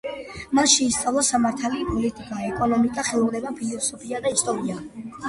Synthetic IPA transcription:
manʃɛist̪sʼavlˠɔsamaɾt̪ʰalipʼɔlit̪ʼikʼaɛkʼɔnɔmikʼaχɛɔlɛbapʰilɔsɔpʰiad̪aist̪ʼɔɾia

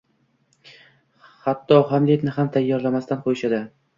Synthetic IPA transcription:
hat̪ːɒhamliet̪nɪɦamt̪ʰajːɒɾlamast̪anqʰojʃad̪ɪ

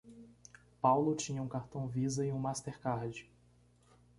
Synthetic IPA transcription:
pawlʊt͡ʃĩɲɐũkaɾt̪ɐ̃w̃vizɐɪũmast̪eɾkaɾd͡ʒɪ

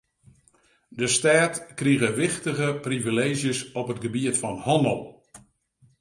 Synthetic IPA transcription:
dəstaːtkriɣəʋɪxtəɣəprivileːʒjəsɔpətɡəbiətfɔnhɔnəlˠ

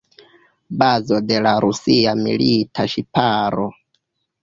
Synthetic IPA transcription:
bazo̞de̞laɾusiamḭlitʰaʃipaɾo

